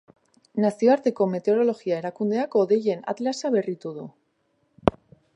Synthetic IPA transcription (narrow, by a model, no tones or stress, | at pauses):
nasio̞aɾt̪e̞ko̞me̞t̪eo̞ɾo̞lo̞ɣiae̞ɾakund̪e̞ako̞ðeʝe̞na̰t̪lasaβe̞rit̪uðu